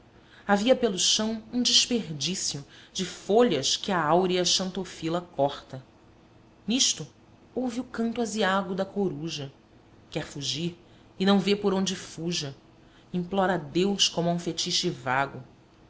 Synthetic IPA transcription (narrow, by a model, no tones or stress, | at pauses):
aviɐpelʊʃɐ̃w̃ũd͡ʒɪʃpeɾd͡ʒisiʊd͡ʒɪfoʎɐskɪɐawɾiɐʃɐ̃nt̪ofilɐkɔχt̪ɐ | niʃt̪ʊ | owviʊkɐ̃nt̪ʊaziaɡʊd̪ɐkoɾuʒɐ | kɛɾfuʒiɾ | ɪnɐ̃w̃vepoɾõd͡ʒɪfuʒɐ | ĩmplɔɾɐd̪ewʃkõmɐũfet͡ʃiʃɪvaɡʊ